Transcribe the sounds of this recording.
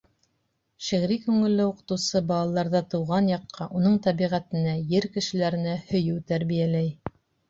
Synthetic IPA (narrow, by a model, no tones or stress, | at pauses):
ʃiʁɾikʉŋɘ̆lːɘuqɤ̥̆t̪ɤ̆wsɤbɑlˠɑlˠɑɾðɑt̪ɤ̆wʁɑnjɑqːɑʔunɤɴt̪æβiʁæt̪ɘ̆næjɘɾkɘ̆ʃɘ̆læɾɘ̆næhɵ̆jɘwt̪æɾβijælæj